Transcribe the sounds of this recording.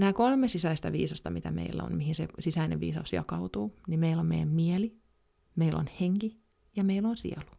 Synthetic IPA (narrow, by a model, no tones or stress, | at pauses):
næːkolmesisæist̪æʋḭːsɑst̪ɑmit̪æmḛilːæ̰o̰nmihinsesisæinḛʋʋḭːsɑ̰usjɑ̰kɑut̪uːnimeilːommḛijæmmiɛli | meilʔo̰nheŋki | jɑmeilːˑonsḭelu̥